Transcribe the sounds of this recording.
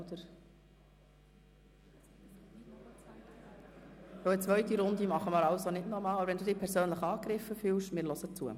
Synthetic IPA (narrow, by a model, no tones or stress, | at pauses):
də | soət͡sʋœɥtiɾʊnd̪imɑχəməɾɑwsonɪdnɔɾmɑːlbɾʋɛnd̪uːd̥̪iːpʰɛɾsøːnləχəɑːkɾɪfːəfyːlʃmɪːɾlɔsət͡suə̰